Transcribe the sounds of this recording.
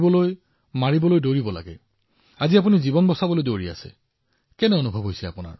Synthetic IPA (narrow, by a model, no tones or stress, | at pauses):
bɔloj | maɹibɔlojdoɹibɔla̰ɡɛ̰ | aziap̬unizibɔnbɔsabɔlojdoɹia̰sɛ̰ | kɛnɛonubʱɔbɦojsɛapuna̰ɹ